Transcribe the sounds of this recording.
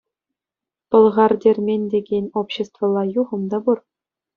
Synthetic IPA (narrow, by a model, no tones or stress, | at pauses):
pɤ̆lˠʁɑrdʲerʲmʲenʲdʲeɡʲenʲopɕːĕst̪vɤ̆lˠːɑjuʁɤ̆md̪ɑbur